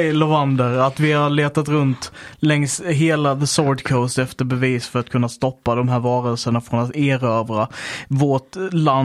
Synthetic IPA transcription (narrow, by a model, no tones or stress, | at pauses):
lʊand̪əɾat̪vɪhaɭeːt̪at̪ɾɵnt̪lɛŋsɦeːlaðəsoːɖkʰoʊst̪ɛft̪əɾbɛviːsfœɾat̪kʰɵnːast̪ɔpːad̪ɔmɦæːɾvɑːɾəlsəɳafɾɔnat̪eːɾøːvɾavɔʈlan